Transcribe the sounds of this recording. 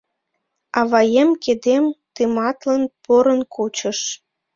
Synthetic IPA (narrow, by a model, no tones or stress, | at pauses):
ɑβɑjemked̪emt̪ɨmɑt̪lənpoɾənkʰot͡ɕəʃ